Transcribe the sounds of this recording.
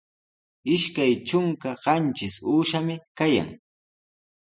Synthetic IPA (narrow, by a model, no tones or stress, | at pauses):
ɪʃkajʈ͡ʂʊŋkaɢɑnt͡ʃɪsuːʃamɪkaja̰ŋ